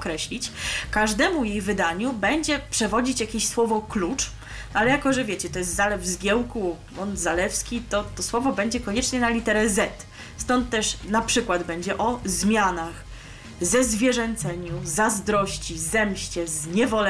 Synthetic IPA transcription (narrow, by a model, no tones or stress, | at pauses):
kɾɛɕlʲit͡ɕkaʐd̪ɛmujejvɘd̪aɲubɛɲd͡ʑɛpʂɛvɔd͡ʑit͡ɕjakʲeɕswɔvɔklut͡ʂ | ʔalɛjakɔʐɛvʲjɛt͡ɕɛt̪ɔjɛs̬t̪zalɛvzɡʲjɛwku | mɔnzalɛfskʲit̪ɔt̪ɔswɔvɔbɛɲd͡ʑɛkɔɲɛt͡ʂɲɛnalʲit̪ɛɾɛzɛt̪ | st̪ɔnt̪ːɛʂnapʂɘkwad̪bɛɲd͡ʑɛʔɔzmʲjanax | zɛzvʲjɛʐɛnt̪sɛɲuzazd̪ɾɔɕt͡ɕizɛmɕt͡ɕɛzɲɛvɔlɛ